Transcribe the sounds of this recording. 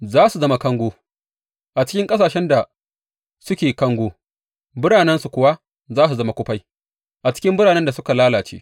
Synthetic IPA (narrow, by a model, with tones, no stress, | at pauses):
zaː˦su˨zɐ˦ma˨kɐ˦ŋɡʷoː˦ | ʔa˨t͡ʃɪ̥˦kʲɪ˦ŋkʼɐ˦saː˨ʃɛ˦nda˨ | sʊ˦kʲeː˨kɐ˦ŋɡʷoː˦ | bʊ˦ɽaː˨nɛ˦nsu˨kʷʊ˨˦wa˦ | zaː˦s̬u˨zɐ˦ma˦kʷʊ˦ɸa˦j | ʔa˨t͡ʃɪ̥˦kʲɪ˦mbʊ˦ɽaː˨nɛ˦nda˨sʊ˦ka˨laː˦laː˨t͡ʃḛː˦